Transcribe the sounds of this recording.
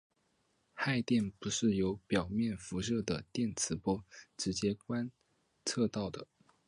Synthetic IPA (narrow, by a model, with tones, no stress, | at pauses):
xa˥˧ɪt̪jɛ˥˩npu˧˥ʂɻ̩˥˩jo˧˥ʊpjɑ˨˩ʊmjɛ˥˩nfu˧˥ʂ̬ɤ˥˩d̪ə˩t̪jɛ˥˩nt͡sʰɹ̩˧˥pwɔ˥ʈ͡ʂɻ̩˧˥t͡ɕjɛ˥kwa˥n | t͡sʰɤ˥˧t̪ɑ˥˩ʊd̪ə˩